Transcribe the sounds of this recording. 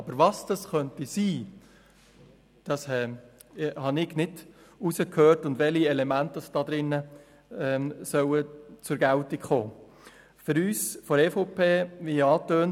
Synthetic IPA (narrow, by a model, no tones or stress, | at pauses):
ɑbəɾʋɑsd̥ɑsχœntisiː | d̥ɑshɛ | hɑnɪɡnɪdusəkʰhøːrtʊndʋɛliɛlɛmæntɑsd̥ɑd̪ɾɪnːə | ɛːsœwət͡sʊɾɡæltikχoː | fʏɾyːsfoɾɛfopʰeːʋiɑːtøːn